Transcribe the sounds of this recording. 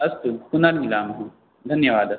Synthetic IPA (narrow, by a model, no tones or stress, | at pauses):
ɐst̪ukʊnɐɾɡɪlaːmɐɦɐ̃ | d̪ʱɐnjɐʋaːd̪ɐ